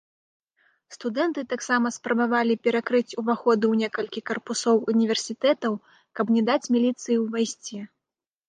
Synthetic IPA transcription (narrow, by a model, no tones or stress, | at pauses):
st̪ud̪ɛnt̪ɨt̪aksamɐspɾɐbavalʲipʲɛɾakɾɨt͡sʲuvaxɔd̪ɨwnʲɛkɐlʲkʲikɐrpusɔwunʲivʲɛrsʲit̪ɛt̪ɐw | kɐbnʲɛd̪at͡sʲmʲilʲit̪sɨjiwvajsʲt͡sʲɛ